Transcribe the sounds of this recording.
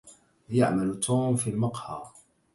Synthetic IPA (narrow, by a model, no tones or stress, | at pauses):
jaʕmalt̪ʰuːmfilmɑqhɑː